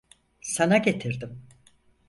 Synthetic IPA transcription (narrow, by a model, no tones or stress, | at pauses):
sanaɟe̞t̪ʰiɾd̪im